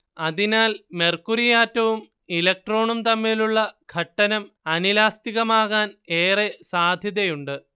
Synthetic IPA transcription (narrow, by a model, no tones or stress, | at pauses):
ɐðinaːlme̞rkuɾijaːtːɐʋum | ilɐk̚ʈro̞ːɳumt̪ɐmːiːluɭːɐɡ̥ʱɐʈːɐnɐm | ɐnilaːst̪iɣɐmaːɣaːneːresaːd̪ʱjɐðɐjuɳɖɨ